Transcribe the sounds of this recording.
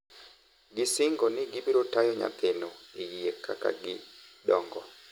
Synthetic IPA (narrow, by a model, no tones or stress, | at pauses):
ɡɪsɪŋɡɔnɪɡɪbiɾotajɔɲa̰t̪enoejiekʰa̰ka̰ɡɪdɔŋɡɔ